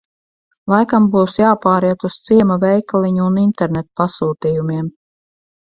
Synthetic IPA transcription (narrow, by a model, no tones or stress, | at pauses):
lˠajkambuːsjaːpaːɾiɛt̪ust̪siɛmavʲɛjklˠiɲuːnint̪ɛɾnɛt̪pasuːt̪iːjumʲiɛm